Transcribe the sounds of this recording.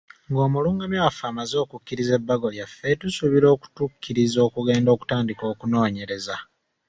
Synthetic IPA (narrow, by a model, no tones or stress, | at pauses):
ŋɡo̞ːmuluːŋɡamjowafaːmazo̞ːkucːiɾize̞bːaɡo̞ljafːe̞tusuβiɾo̞ːku̥tukːiɾizo̞ːkuɡe̞ːndo̞ːku̥taːndiko̞ːkuno̞ːɲe̞ɾe̞za